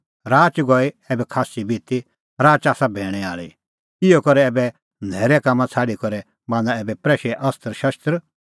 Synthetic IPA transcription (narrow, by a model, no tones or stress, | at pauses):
ɾaːt͡ʃɡɔi | ɛːbɛkʰaːsibʱiːt̪i | ɾaːt͡ʃaːsabʱɛːɽ̃ɛa̰ːɭḭ | ɪjokɔɾɛɛːbɛ | nʱɛːɾɛkaːmːãt͡sʰaːɽikɔɾɛ | bãːnd̪aɛːbɛpɾɛːʃɛʔɐst̪əɾʃɐst̪ɾ